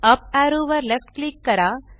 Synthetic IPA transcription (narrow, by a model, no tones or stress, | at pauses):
ɐpaɾuːʋɐɾlefʈ̚klikːɐɾaː